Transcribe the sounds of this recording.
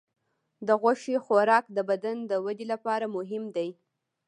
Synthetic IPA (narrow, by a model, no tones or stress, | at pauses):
d̪əɣaʃexaɾɑkd̪əbad̪and̪əwad̪elapɑɾamʊɦɪmd̪aj